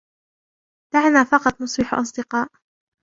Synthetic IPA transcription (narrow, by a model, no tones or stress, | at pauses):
d̪̥aʕnaːfɑqɑt̪ˤnʊsˤbɪħʔɑ̰s̬ˤd̪ɨqɑːʔ